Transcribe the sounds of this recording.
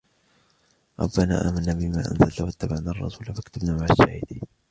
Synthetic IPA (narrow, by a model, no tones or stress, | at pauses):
ɾˤɑ̰bːana̰ːʔaːmanːaːbɪma̰ːʔa̰nzalt̪awat̪ːabaʕnaːɑrˤːɑ̰suːlafakt̪abnaːmaʕaʃːaːhɪd̪iː